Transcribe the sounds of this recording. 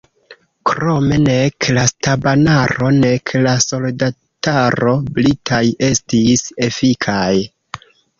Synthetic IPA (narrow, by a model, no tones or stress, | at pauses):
kɾo̞me̞ne̞klastabanaɾo̞ne̞kʰlaso̞lda | taɾo̞blitʰaje̞stise̞fikʰaj